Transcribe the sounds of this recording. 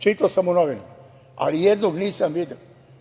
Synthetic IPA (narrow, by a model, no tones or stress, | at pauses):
t͡ʃit̪asamunoʋinu | a̰lijed̪noɡniːsamʋid̪eo